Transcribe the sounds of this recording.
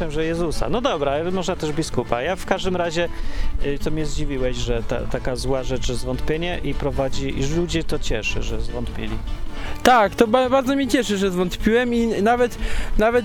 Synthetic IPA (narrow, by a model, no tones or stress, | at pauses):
ɛmʐɛjɛzusa̰nɔd̪ɔbɾamɔʐnat̪ɛʐbʲiskupa̰jafkaʐd̪ɘmɾaʑɛ | t̪ɔmʲɲɛzd͡ʑivʲiwɛɕʐɛt̪a̰t̪akazwaʐɛt͡ʂʐɛzvɔnt̪pʲjeɲɛʔipɾɔvad͡ʑiiʂlud͡ʑɛt̪ɔt͡ɕɛʂɘ̰ʐɛzvɔnt̪pʲḭlʲḭt̪akt̪ɔbabaɾd̪zɔmʲɲɛt͡ɕɛʂɘʐɛzvɔnt̪pʲiwɛminavɛt̪navɛt̪